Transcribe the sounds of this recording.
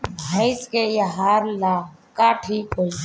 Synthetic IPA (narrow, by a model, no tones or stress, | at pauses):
bʱəɪskejaɦaːɾlaːkaːʈʰiːkoː